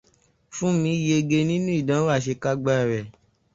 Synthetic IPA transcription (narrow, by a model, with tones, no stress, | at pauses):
fũ˦mĩ˧˦je˧ɡe˧nĩ˦nũ˦i˦˨dã˨˦wa˦˨ʃe˧ka˦ɡ͡ba˦ɛ˨ɾɛ˨